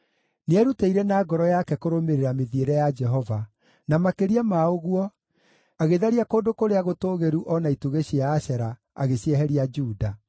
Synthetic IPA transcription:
neɛɾuteiɾɛnaːɡɔɾɔjakɛkoɾomeɾeɾameðieɾɛjad͡ʒɛɦɔva | namakeɾiamaoɣuɔ | aɣeðaɾiakoːdokoɾeaɣotoːɣeɾuʔɔnaituɣeɕiaːɕɛɾa | a̰ɣeɕɛɦɛɾiad͡ʒuːda

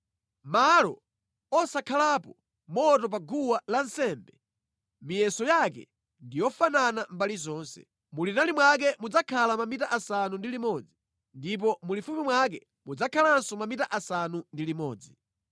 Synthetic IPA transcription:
malɔ | ɔsakʰalapɔ | mɔtɔp̬aɡuwalansɛmbɛ | mijɛsɔjakɛ̰ | ndijɔfananambalizɔːnsɛ̰ | mulinalimwak̬ɛmud͡zakʰalamamitaʔasanundilimɔd͡zi | ndip̬ɔmulifumimwak̬ɛ | mud͡zakʰalansɔmamitaʔasanundilimɔːd͡zi

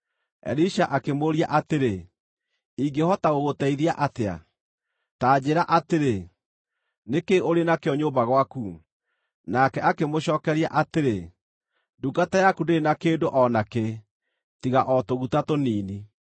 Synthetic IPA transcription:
ɛ̰ɾiʃaʔakemoɾiaʔateɾe | iŋɡehɔtaɣoɣotɛiðiaʔatea̰ | taːd͡ʑeɾaʔateɾe | nekeoɾenakeɔɲobaɣwaku | nakɛʔakemoɕɔːkɛɾia̰ʔateɾe | duɡatajakudenakeːndoʔɔnake | tiɣaʔɔtoɣutatoniːni

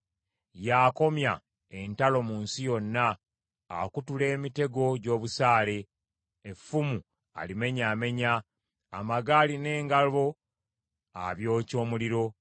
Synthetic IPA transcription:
jaːko̞mja | e̞ntalo̞muːnsijo̞nːa̰ː | kutule̞ːmite̞ɡo̞ɟo̞ːβusaːle̞ː | fːumu | a̰lime̞ɲaːme̞ɲaː | maɡaːline̞ːŋɡalβo̞ | aβjo̞ːco̞ːmuliɾo̞

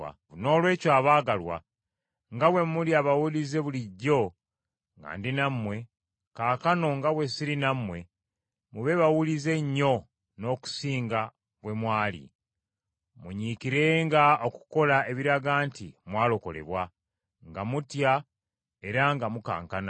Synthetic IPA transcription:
a̰ | no̞ːlwe̞ːcwaːβaːɡalwa̰ | ŋɡawe̞muliaβawulize̞βuliɟːo̞ | ŋɡa̰ːndinamwe̞ | kaːkano̞ŋɡaβwe̞siɾinamwe̞ | muβe̞βawulize̞ɲːo̞ | no̞ːku̥siːŋɡa | βwe̞mwaːlḭ | muɲikiɾe̞ŋɡaoku̥ko̞lae̞βiɾaɡaːntimwaːlo̞ko̞̰le̞̰βwa | ŋɡamutja | e̞ɾaŋɡamuka̰ːŋkana

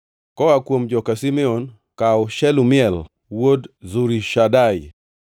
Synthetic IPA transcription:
kɔakwomd͡ʒɔkasimɛon | kaʊʃɛlumɪɛl | wodzuɾiʃadaj

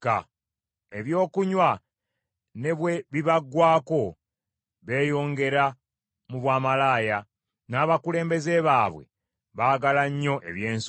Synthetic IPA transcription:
ka̰ | eβjo̞ːkuɲwa | ne̞βweβiβaɡːwaːko̞ | βe̞ːjo̞ːŋɡe̞ɾa | muβwaːmalaːja | naːβakule̞ːmbe̞ze̞βaːβwe̞̰ | βaːɡalaɲːo̞ʔe̞̰βje̞ːns

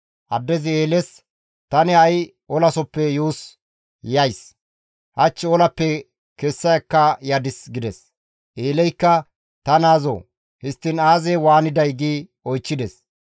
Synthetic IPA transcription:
ʔɐd̪ːɛzɪeːlɛs | t̪ɐnɪɐj | ɔlɐsɔpːɛjuːs | jɐjs | hɐt͡ʃːɪɔlɐpːɛ | kɛsːɐjɐkːɐjɐd̪ɪsɡɪd̪ɛs | ʔeːlɛjkːɐ | t̪ɐnaːzo̰ː | hɪst̪ːɪnaːzɛwaːnɪd̪ɐjɡiː | ɔjt͡ʃːɪd̪ɛs

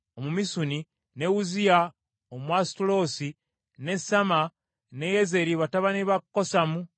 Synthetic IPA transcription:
omumisuni | neuzia | omwastulo̞si | ne̞sama | nejeze̞ɾiβataβaniβakkːosamu

